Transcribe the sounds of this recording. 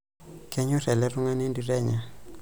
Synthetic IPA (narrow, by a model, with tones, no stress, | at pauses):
kɛ˦ɲu˦ɾɛ˨lɛ˦ru˦ŋa˦nɛ˦ndi˦ɾɛ˦ɲa˨